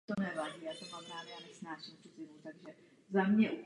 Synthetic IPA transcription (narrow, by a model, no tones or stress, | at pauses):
t̪onɛvaːɟiːjaːt̪omampɾaːvjaːnɛsnaːʃimtozɪmut̪aɡʒɛ | zamɲɛʔu